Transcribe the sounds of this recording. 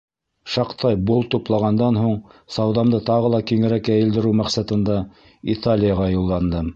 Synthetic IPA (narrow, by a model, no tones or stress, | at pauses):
ʃɑqt̪ɑjbulˠt̪uplˠɑʁɑnd̪ɑnɦuɴsɑwðɑmd̪ɤt̪ɑʁɤ̆lˠɑkiŋɘ̆ɾækːæjɘ̆ld̪ɘ̆ɾɘwmæqsæt̪ɤ̆nd̪ɑ | it̪ʰalʲɪjəʁɑjulˠːɑnd̪ɤ